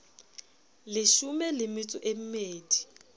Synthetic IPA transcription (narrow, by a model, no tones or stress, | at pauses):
lɪʃumɛlɪmɪt͡sʼʊʔem̩meːdi